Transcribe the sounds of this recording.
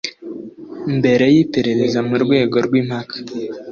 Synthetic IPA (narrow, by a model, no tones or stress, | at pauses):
mbe̞ɾe̞jipeɾe̞ɾezamuɾɡwe̞ːɡo̞ɾɡwim̥hakḁ